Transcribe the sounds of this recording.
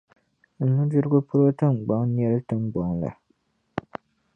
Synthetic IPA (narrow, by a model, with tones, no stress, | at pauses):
n̩˨nu˦dɨ˦ɾɨ˦ɡʊ˦pʊ˦ɾo˦tɨ˦m˨ɡ͡ba˨ŋn˦ɛ˦lɨ˦tɨ˨mɡ͡bɔ˨ŋla̰˨